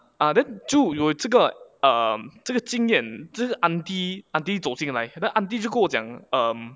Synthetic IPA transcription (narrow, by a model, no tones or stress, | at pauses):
ʔad̪ɛnt͡ɕjoʊjoʈ͡ʂəɡəʔəʈ͡ʂəɡət͡ɕiŋjɛnʈ͡ʂəɡəʔant̪iʔant̪it͡soʊt͡ɕiŋlaɪd̪ɛnʔant̪̬it͡ɕjokəwɔt͡ɕja̰ŋəm